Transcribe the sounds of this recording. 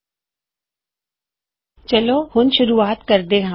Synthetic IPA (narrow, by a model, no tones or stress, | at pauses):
t͡ɕɐlohʊn̆ʃʊɾuːaːt̪kɐɾd̪eɦã